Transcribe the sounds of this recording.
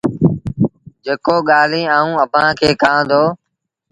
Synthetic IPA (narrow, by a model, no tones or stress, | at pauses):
d͡ʒeːkoːɠaːlĩːaːũːəbʱãːkʰeːkãːd̪oː